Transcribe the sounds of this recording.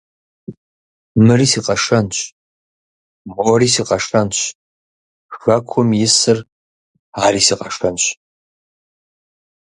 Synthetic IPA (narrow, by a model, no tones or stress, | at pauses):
mɨriːsiːqɐʂɐnɕʼ | moriːsiːqɐʂɐnɕʼ | xɐkʷʰʊmjɪsɨr | aːɾiːsiːqɐʂɐnɕʼ